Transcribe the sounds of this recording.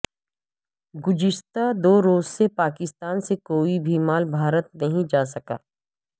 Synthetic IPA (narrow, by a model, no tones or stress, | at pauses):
ɡʊd͡ʒɪst̪ad̪oːɾoːzsepaːkɪst̪aːnsekoːibʱiːmaːlbʱaːɾət̪nɐɦĩd͡ʒaːs̬ɐka̰ː